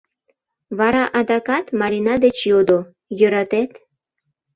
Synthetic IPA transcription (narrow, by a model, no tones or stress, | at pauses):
βɑɾɑʔɑd̪ɑkɑt̪mɑɾinɑd̪et͡ɕjod̪o | jøɾɑt̪et̪